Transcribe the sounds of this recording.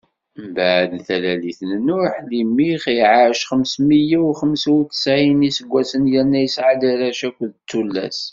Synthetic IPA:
mbəʕəd̪θælæliθənnʊɾħlimːiχiʕaɾəʃχəmsməjawχəmsiwθə̥sʕinisəɡʷːæsənjəɾnːæjəsʕad̪iɾæʃækʷðt̪ːulːæ̰s

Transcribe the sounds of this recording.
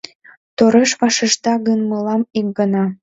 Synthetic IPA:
t̪oɾeʃβɑʃĕʃd̪ɑɣənməlɑmik̚ɡənɑ

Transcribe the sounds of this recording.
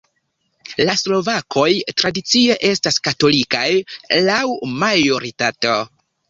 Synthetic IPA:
laslo̞vakʰo̞jtɾadit͡sie̞ʔe̞staskato̞likajlawmajo̞ɾitato̞

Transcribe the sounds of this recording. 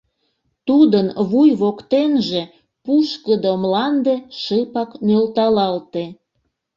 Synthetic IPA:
t̪ud̪ənβujβokt̪enʒe | puʃkəd̪omlɑnd̪eʃəpɑknølt̪ɑlɑlt̪e

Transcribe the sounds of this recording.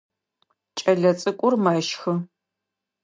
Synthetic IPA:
t͡ʃʼɐɮɐt͡sʼɨkʷʼʊrmaːʃxɨ

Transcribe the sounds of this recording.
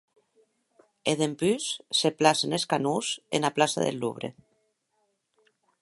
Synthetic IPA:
eðempysːeplaseneskanusḛnaplasa̰ðḛlːṵβ̞ɾḛ

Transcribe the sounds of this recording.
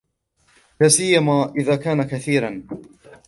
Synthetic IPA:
laːsɪjːamaːʔɪðaːkaːnakaθiːɾan

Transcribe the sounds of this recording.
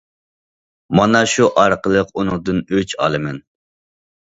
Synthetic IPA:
mɑnɑʃuʔɑɾqəlˠəqunɨŋd̪ɨnøt͡ʃʰɑ̰lˠɨmɛn

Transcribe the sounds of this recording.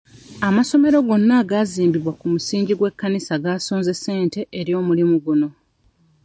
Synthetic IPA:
amaso̞me̞ɾo̞ɡo̞nːaɡaziːmbiβwakumusiːɲɟiɡwe̞kːanisaɡaːsoːnze̞se̞ːnte̞ʔeɾjo̞ːmulimuɡuno̞

